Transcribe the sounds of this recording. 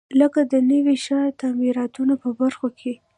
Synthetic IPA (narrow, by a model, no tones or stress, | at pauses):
ləkad̪ənəwiʃɑjt̪amiɾɑt̪unapəbaɾxokʰe